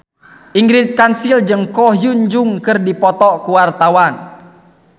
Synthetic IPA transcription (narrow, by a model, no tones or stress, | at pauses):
ʔiŋɡɾit̪̚kansild͡ʒɨŋkɔɦjuɲd͡ʒuŋkɨrdipɔt̪ɔkuwart̪awan